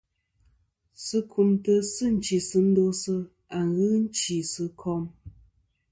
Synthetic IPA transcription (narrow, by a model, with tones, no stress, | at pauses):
sɨ˦kʰu˨mtə˦sɨ˦˨n̩˦t͡ʃi˨sɨ˦n̩˦do˦sɨ˦ | a˨ŋɣɨ˦n̩˦t͡ʃi˨sɨ˦kʰɔ˦m